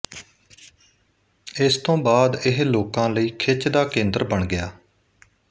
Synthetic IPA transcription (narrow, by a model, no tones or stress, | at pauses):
ɪst̪õːbaːd̪ɪɦloːkãːləiːkʰɪt͡ʃd̪aːkẽːnd̪əɾbəɳɡɪjaː